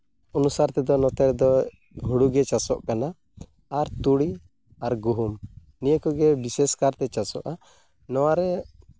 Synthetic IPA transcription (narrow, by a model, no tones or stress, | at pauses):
ɔnusaɾt̪ɛd̪ɔnɔt̪ɛɾd̪ɔ | ɦuɽuɡɛt͡ʃasɔʔkanaː | ɾt̪uɽi | aɾɡuɦum | nijəkɔɡɛbiseskaɾt̪ɛt͡ʃasɔ̰ʔa | nɔwaɾɛ